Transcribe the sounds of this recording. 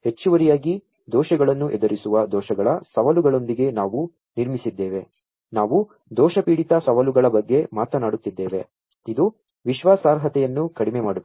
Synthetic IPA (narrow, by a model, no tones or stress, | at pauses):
he̞t͡ʃːuʋɐɾijaːɡi | d̪ɔːʃɐɡɐɭɐnːuʔɛd̪ɐɾisuʋɐd̪ɔːʃɐɡɐɭɐsɐʋɐluɡɐɭo̞nd̪iɡe̞naːʋu | niɾmisid̪ːeːʋe̞ | naːʋu | d̪ɔːʃɐpiːɽit̪ɐsɐʋɐluɡɐɭɐbɐɡːe̞maːt̪ɐnaːɽut̪ːid̪ːe̞ːʋe̞̰ | id̪u | ʋiʃʋaːsaːɾɦɐt̪ɛjɐnːukɐɽimemaːɽub